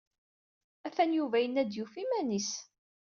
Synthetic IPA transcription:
æfænjuvæjənæd̪jufimænis

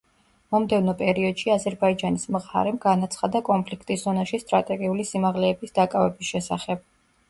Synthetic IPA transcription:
mɔmd̪ɛvnɔpʼɛɾiɔd̪̥ʃiazɛɾbaid͡ʒanismʁa̰ɾɛmɡanat̪sʰχad̪akʼɔmpʰlikʰt̪ʼisz̥ɔnaʃist̪ʼɾat̪ʼɛɡiulisimaʁlɛːbisd̪akʼavɛbisʃɛsaχɛb̥̚

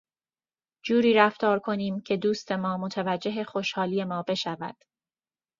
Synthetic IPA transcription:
d͡ʒuːɾiːɾæft̪ɒːɾkʰo̞niːmcʰe̞d̪uːst̪ʰe̞mɒːmot̪ʰævæd͡ʒːe̞ɦexo̞ʃhɒːliːe̞mɒːbe̞ʃævæ̰d̪̥

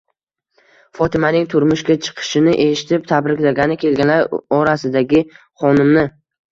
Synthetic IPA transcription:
fɒt̪ʰɪmanɪŋt̪ʰʊɾmʊʃkʲat͡ʃʰɨ̥qʰɨ̥ʃɪnɪʔe̞ʃɪ̥t̪ʰɪp̚t̪ʰabɾɪkʲlaɡʲanɪkʲʰe̞lɡʲanlaɾɒɾasɪd̪aɡʲɪ | χɒnɪmnɪ

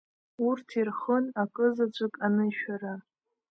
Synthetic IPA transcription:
urtʰirχənakʼɨzad͡ʒʷʼɨkʼanɨʃᶣaɾa

